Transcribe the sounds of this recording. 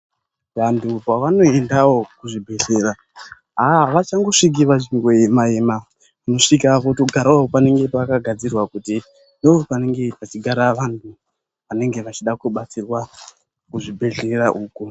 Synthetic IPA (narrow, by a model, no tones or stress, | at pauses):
ʋantʰupaʋano̞e̞ndawo̞kuʐibʱe̞ɮe̞ɾa | ɦaʋat͡ʃaŋɡo̞ʂik̬iʋaʐiŋɡweemaema | kuno̞ʂikapotoɡʱaɾaoopane̞ŋɡe̞pakaɡʱad͡zirwakuti | ndoopane̞ŋɡe̞pat͡ʃiɡʱaɾaʋantʰu | ʋane̞ŋɡe̞ʋat͡ʃiɗakuɓat͡sirwa | kuʐibʱe̞ɮe̞raʔuːku